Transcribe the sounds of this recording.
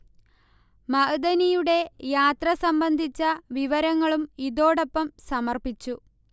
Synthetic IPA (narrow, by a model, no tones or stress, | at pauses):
mɐʔɐd̪ɐnijuɽe̞jaːt̪rɐsɐmbɐnd̪ʱit͡ɕːɐʋiʋɐɾɐŋːɐɭumiðo̞ːɽopːɐmsɐmɐrpit͡ɕːu